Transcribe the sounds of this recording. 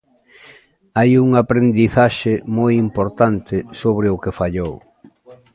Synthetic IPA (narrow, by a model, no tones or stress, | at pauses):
ajuŋapɾend̪iθaʃɪmojimpoɾt̪ant̪ɪsoβɾɪʊkɪfaʎow